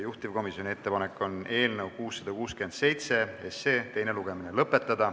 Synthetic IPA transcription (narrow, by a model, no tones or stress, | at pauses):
juht̪ivko̞misjonʲie̞t̪ːe̞pɑnekːˑo̞ne̞ːlnewkuːsːɑd̪̥ɑkuːskyend̪̥se̞jt̪se̞ḛseːt̪e̞jne̞luɡ̥e̞mine̞lɤpːˑe̞t̪ˑːɑd̪̥ɑ